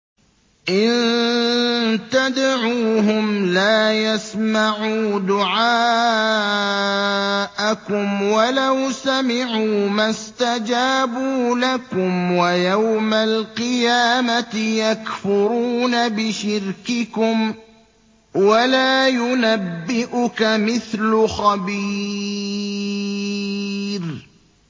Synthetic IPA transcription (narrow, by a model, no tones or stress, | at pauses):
ʔɪn | t̪ad̪ʕuːɦʊmlaːjasmaʕuːd̪ʊʕaː | ʔakʊmwalawsamɪʕuːmast̪ad͡ʒaːbuːlakʊmwajawmalqɨjaːmat̪ɪjakfʊɾuːnabɪʃɪɾkɪkʊm | walaːjʊnabːɪʔʊkamɪθlʊxabiː | ɾ